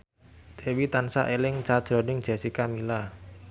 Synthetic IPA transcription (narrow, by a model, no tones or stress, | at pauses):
t̪ʰewit̪ansa̰ʔelɪŋt͡ʃad̥ʒ̥ɾɔ̤nɪŋ̥ʒ̥ɛ̤sikamila